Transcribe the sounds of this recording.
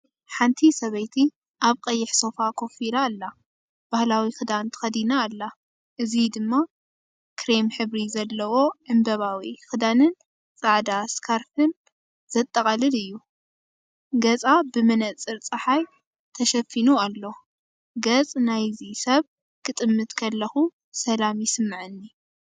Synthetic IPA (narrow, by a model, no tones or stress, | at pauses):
ħant̪ʰisɐβɐjt̪ʰi | ʔaβqʼɐjːɪħso̞fakʰo̞fiɾaːlːa | b̥ahlawixɨd̪ant̪ʰɨ̥xɐd̪inaːlːa | ʔɨzid̪ɨmːa | kʰɾemħɨβɾizɐlːɐwo̞ʔɨmbɐβawixɨd̪anɨn | t͡sʼaʕd̪askʰaɾfɨn | z̥ɐt̪ʼːɐkʼɐlɨlɨjːu | ɡɐt͡sʼabɨmɨnɐt͡sʼɨɾt͡sʼɐħaj | t̪ʰɐʃɐfinualːo | ɡɐt͡sʼnajzisɐβ | kʰɨt̪ʼɨmːɨt̪kʰɐlːɐxu | sɐlamjɪsɨmːɨʕɨnːi